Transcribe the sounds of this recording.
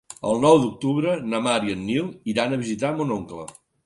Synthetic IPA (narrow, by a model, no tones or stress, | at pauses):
ə̰lˠnɔwd̪uk̚t̪uβɾənəmaɾiənːilˠiɾanəβizit̪amonoŋklə̰